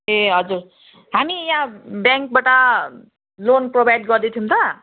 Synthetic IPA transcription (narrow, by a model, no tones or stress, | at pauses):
eɦʌd͡zur | ɦamijãbjaŋk̚baʈa | lonprobajɖ̚ɡʌrd̪it̪ʰiũt̪ʌ